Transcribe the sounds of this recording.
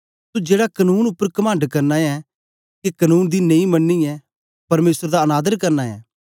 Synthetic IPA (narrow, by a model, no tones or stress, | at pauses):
t̪ud͡ʒeːɽakɐnuːnʊpːəɾkɐmãːɳɖkɐɾnaɛ | kekɐnuːnd̪inɐĩmɐnːiɛ | pɐɾmeːsəɾd̪aɐnaːd̪əɾkɐɾnaɛ̰ː